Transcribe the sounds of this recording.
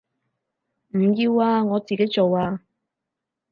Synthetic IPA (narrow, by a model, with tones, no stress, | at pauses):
m̩˨˩jiː˧waː˧ŋɔː˨˧t͡siː˨ke˨˥jt͡so˨waː˧